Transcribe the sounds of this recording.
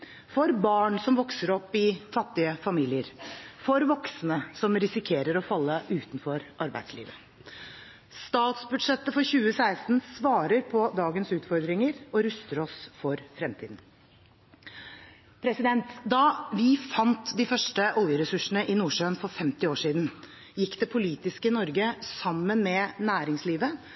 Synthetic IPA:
fɔɾbɑːɳsɔmʋɔksəɾɔpːɪfɑt̪ːɪəfɑmiːlɪəɾfɔɾʋɔksnəsɔmɾɪsɪkʰeːɾəɾɔfɑlːəʔʉːt̪n̩fɔɾʔɑɾbæ̰ɪd̪̥slḭːʋə | st̪ɑːt̪sbʉd̪ʂɛt̪ːəfɔɾçʉːəsæɪst̪n̩sʋɑːɾəɾpʰɔd̪ɑːɡənsʉːt̪fɔɾd̪ɾɪŋəɾɔɾʉst̪əɾɔsfɔɾfɾɛmt̪ʰḭːd̪n̩ | pʰɾɛsɪd̪ɛnt̪d̪ɑʋɪfɑnt̪d̪ɪfœʂʈəʔɔljəɾɛsʉʂn̩əʔɪnuːʂøːnfɔɾfɛmt̪ɪoːʂiːd̪n̩ | jɪkːd̪ɛpʰʊliːt̪ɪskəɪnɔɾɡəsɑmːənmɛnæːɾɪŋsliːʋə

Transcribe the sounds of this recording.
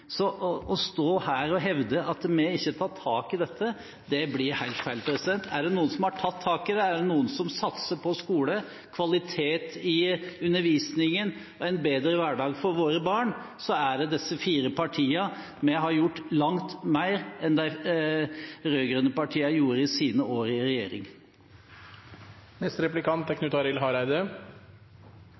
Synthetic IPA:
sɔʔɔst̪oːhæːɾɔɦɛʋd̪əʔɑt̪mɛɪçːət̪ʰɑːt̪ʰːɑːkɪd̪ɛt̪ʰːə | d̪ɛblɪɾhæɪlt̪fæɪlpɾɛsɪd̪ɛnt̪ʰæɖɛnuːənsɔmhɑʈʰɑt̪ʰːɑːkɪd̪ɛæɖɛnuːənsɔmsɑt̪səpʰɔskuːlə | kʰʋɑlɪt̪ʰeːt̪ɪʉnːəɾʋiːsnɪŋən | ɔɛɪnbeːd̪ɾəʋæɖɑːɡfɔɾʋoːɾəbɑːɳ | sɔæɖɛd̪ɛsːəfiːɾəpɑʈʰiːɑ | mɛɦɑɾjʊʈːlɑŋt̪mæɪɾɛnd̪æɪ | ɾøːɡɾʉnːəpɑʈʰiːɑjuːɾəɪsiːnəoːɾəɪɾɛjḛːɾɪ̰ŋ | nɛst̪ɾɛplɪkʰɑnt̪ækʰnʉt̪ɑɾɪlɦɑɾæɪd̪ə

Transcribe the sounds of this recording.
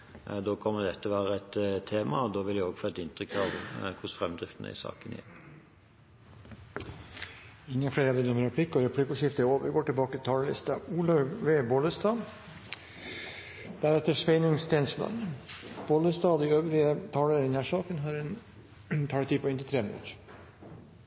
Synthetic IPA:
d̪oːkʰɔmːəd̪ɛt̪ːəʋæːɾəɛt̪ʰːeːmɑ̰ɔd̪oːʋɪljæoːɡfɔːɛt̪ɪnt̪ɾʏkt̪ʰɑʋkʰʊsfɾɛmd̪ʁɪft̪ənə̰ɪ̰sɑ̰ːkənæ̰ | ɪŋːənfleːɾɑʋd̪ɪnɔmɾɛpʰlɪkːɔɾɛpʰlɪkːɔʂɪft̪əæoːʋəɾɡoːʈɪlbɑːkət̪ʰɑːləlɪ̰st̪ɑuːlɑʋeːboːləst̪ɑː | d̪̥æɾɛt̪ːəʂʋeɪnʊŋst̪ʰɛːnslɑ̰nb̥oːləst̪ɑːd̪iøːʋɾɪət̪ʰɑːləɾɪnæʂɑːkənɦɑɾɛn | t̪ʰɑːt̪ʰiːpʰɔɪnt̪ɪt̪ʰɾeːʋnʉ̰t̪

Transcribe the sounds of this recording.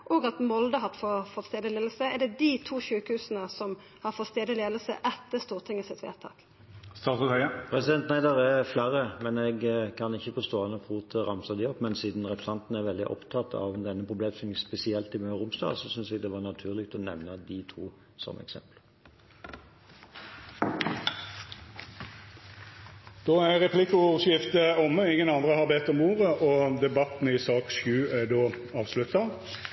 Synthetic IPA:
ʔoːɡɑt̪mɔld̪əɦɑʁt̪ːfɔfɔt̪st̪eːd̪əleːd̪lsəɛɖ̪ɛd̪it̪ʰuːʃʉːkəhʉːsənəsɔm | hɑɾfɔt̪st̪eːd̪əleːd̪əl̩sə̰ʔɛt̪ːəst̪uːʁt̪ʰɪŋːəsɪt̪ʋḛːʁt̪ʰɑ̰ːk | st̪ɑːt̪ʊhœʏəpʰʁɛsɪd̪ɛnt̪næɪd̪əʁæflæːɾəmɛnɛɡkʰɑnɪçːəfɔst̪oːɑnəfʁuːt̪ʰəʁɑmsəd̪ɪɔpːmɛnsiːd̪nʁɛpʰəsɑnt̪n̩æɾʋɛld̪ɪʔɔ̰pt̪ʰɑt̪ːɑ̰ʋd̪ɛnːəpʰʁʊbleːmsɔmɛspɛsɪɛlt̪ɪmøːʁʊmsd̪ɑ̰ːsɔsʏnsɛɡd̪ɛʋɑʁnɑt̪ʰʉːʁlɪk̚t̪ɔnɛʋnəd̪ɪt̪ʰṵː | sɔ̰m̰ɛ̰ksɛ̰mpl | d̪̥oːæʁɛpʰlɪkʊʂjɪft̪əɔmːəɪŋːənɑnd̪ʁəhɑʁbeːt̪ːɔmuːʁəʔɔd̪ɛbɑt̪n̩ɪsɑːksjʉːæd̪oː | ɑːʋslʉt̪ɑ

